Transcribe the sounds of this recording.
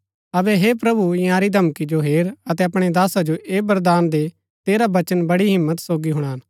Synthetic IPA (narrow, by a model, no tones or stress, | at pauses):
ɐʋɛɦepɾɐbuɪ̃jãːɾid̪ʱɐmkid͡ʒoɦeːɾɐt̪ɛɐpɽ̃ed̪aːsad͡ʒoʔeːbɐɾd̪aːnd̪e | t̪eːɾabɐt͡ʃənbɐɽiɦɪmːət̪soːɡiɦʊɽ̃aɦn